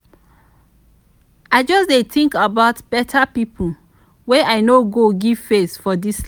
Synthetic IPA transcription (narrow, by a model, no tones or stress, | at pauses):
aɪd͡ʒɔsdetʰĩŋkabaʊtb̥ɛtʰapipʰu | weʔaɪnoɡoɡiv̥fesfɔdis